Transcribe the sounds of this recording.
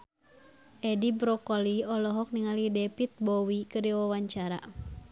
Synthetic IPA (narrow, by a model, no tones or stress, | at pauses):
ʔɛdibɾɔkɔliɔlɔɦɔk̚niŋalidɛpit̪̚bɔwikəɾiwawaɲt͡ʃaɾa̰